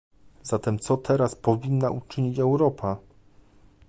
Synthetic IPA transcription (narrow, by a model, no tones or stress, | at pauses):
zat̪ɛmt̪sɔt̪ʰɛɾaspɔvʲinːaʔut͡ʂɘɲit͡ɕɛwɾɔpʰa